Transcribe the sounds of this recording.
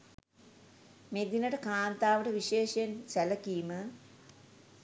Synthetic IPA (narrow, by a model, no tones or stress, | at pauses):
med̪inəʈəkaːnt̪aːʋəʈəʋiʃeːʃjensæləkimə